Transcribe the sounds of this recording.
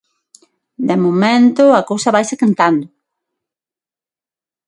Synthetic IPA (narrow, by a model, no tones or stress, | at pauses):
d̪emomẽnt̪ʊɐkowsɐβajsekant̪and̪ʊ